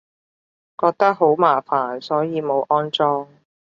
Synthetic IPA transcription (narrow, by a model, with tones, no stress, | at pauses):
kɔː˧k̚t̪ɐ˥k̚ɦo˨˥wmaː˨˩faː˨˩nsɔː˨˥jiː˨˧mo˨˧wʔɔː˥nt͡sɔː˧ŋ